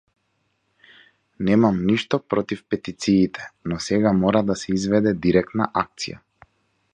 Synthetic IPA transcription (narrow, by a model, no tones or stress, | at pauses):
nɛmamniʃt̪ɔpɾɔt̪ifpɛt̪it̪siːt̪ɛ̥nɔsɛɡamɔɾad̪asɛizvɛd̪ɛd̪iɾɛk̚t̪na̰ʔak̚t̪sḭja̰